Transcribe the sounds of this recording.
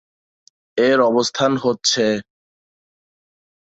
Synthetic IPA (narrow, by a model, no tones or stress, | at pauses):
eɾɔbost̪ʰanɦotːɕʰe